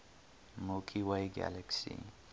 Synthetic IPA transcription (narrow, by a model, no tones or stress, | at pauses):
mukʰiwajɡa̰lɛksḭ